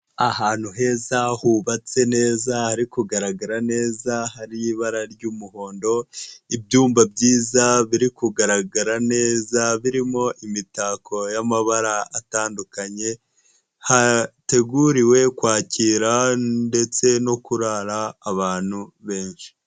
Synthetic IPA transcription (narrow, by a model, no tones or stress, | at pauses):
ahaːn̥huɦe̞zahuβat͡se̞ne̞ːzahaɾikuɡaɾaɡaɾane̞ːzahaɾijiβaɾaɾɟuːmuho̞ːndo̞ibjuːmbabɟiːzaβiɾikuɡaɾaɡaɾane̞ːzaβiɾimo̞ʔimitaːkʰo̞jamaβaɾaataːndukaɲe̞ | hate̞ɡuɾiwe̞kwaːciːɾande̞t͡se̞no̞kuɾaɾaːβaːn̥huβe̞ːnʃi̥